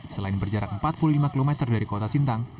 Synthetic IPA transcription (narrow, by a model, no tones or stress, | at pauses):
səlaɪnbərd͡ʒaɾak̚əmpat̪̚pululimakilomɛt̪ərdaɾikot̪asint̪aŋ